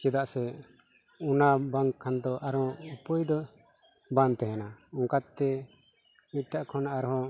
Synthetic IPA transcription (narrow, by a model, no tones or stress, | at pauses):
kɛd̪aʔsɛ | unabaŋkʰːand̪ɔʔaɾɔ̃upɔjd̪ɔ | bant̪ɛɦɛnaɔŋkat̪t̪ɛ | mit̚ʈaʔkʰɔnaɾɦɔ̃